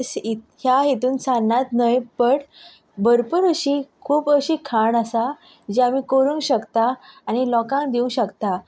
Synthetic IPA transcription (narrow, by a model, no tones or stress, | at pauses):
sihjaɦit̪uːnsanːat̪nəjpəɽ | bəɾpəɾəɕiːkʰuːpəɕiːkʰaɳasa | d͡ʑeamikoɾuŋkɕəkt̪aːñilɔkãŋkd̪iũɕəkt̪a